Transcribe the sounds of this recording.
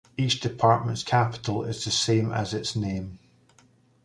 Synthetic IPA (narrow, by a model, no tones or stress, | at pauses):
it͡ʃd̥ɪpʰaɹʔmə̃ntskʰapɪ̥ʔəl̩ˠɪ̰zðəsẽmə̰zɪtsnẽm